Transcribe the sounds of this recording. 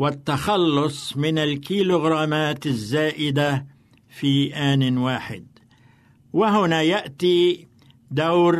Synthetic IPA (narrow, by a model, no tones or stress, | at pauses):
wat̪ːaxɑlːʊsˤmɪnalkiːluɣɾˤaːmaːt̪azːaːʔɪd̪a | fiːʔaːnwaːħɪ̰d̪̚ | waɦʊnaːjaʔt̪iː | d̪awɾ